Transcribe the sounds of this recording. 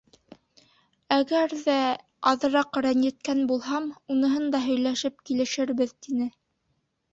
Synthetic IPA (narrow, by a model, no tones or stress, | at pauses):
æɡæɾðæ | ɑðɤ̆ɾɑqɾænɘ̆t̪̚kænbulˠɦɑmunɤ̆ɦɤnd̪ɑɦɵ̆jlæʃɘp̚kilɘ̆ʃɘ̆ɾβɘðt̪inɘ